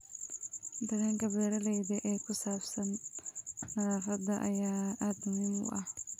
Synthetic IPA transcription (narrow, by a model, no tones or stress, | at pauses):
d̪ɐɣaːŋkʰɐbɛːɾɐlɛjðɐʔɛːkʰʊsaːbsɐnː | ɐɾaːfɐd̪ɐʔɐ̰jaːʔaːd̪mʊmɪmʊ̰ʔɐh